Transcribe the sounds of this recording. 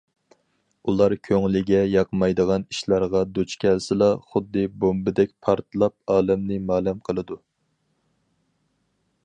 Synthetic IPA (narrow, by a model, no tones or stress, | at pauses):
ulˠɑɾkʲʰøŋlɪɡʲɛjɑqʰəmɑjd̪əʁɑniʃlˠɑɾʁɑd̪ut͡ʃkʲɛlsɪlˠɑχʊd̪ːɨbombɪd̪ɛk̚ʲpʰɑɾt̪ʰlˠɑp̚ɑːlɛmnɨmɑːlɛmqʰəlˠɨd̪u